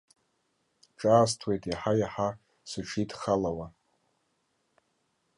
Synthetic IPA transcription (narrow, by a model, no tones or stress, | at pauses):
ʈ͡ʂʼaːstʰwe̞jtʼjaħajaħa | sɨʈ͡ʂʰidχalawa